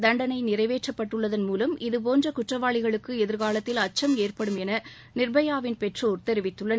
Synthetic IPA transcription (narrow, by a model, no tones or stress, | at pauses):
d̪ɐɳɖɐnɐɪnɪrɐɪʋeːʈrɐpːɐʈːɯɭːɐðɐnmuːlɐmɪðɯp̬oːndrɐkʊʈrɐʋaːɭɪɣɐɭɯkːɯɛðɪɾɣaːlɐt̪ːɪlɐt͡ʃːɐmeːrpɐɽɯmɛnɐ | nɪrbɐjaːʋɪnpɛʈroɾt̪ɛɾɪʋɪt̪ːɯɭːɐ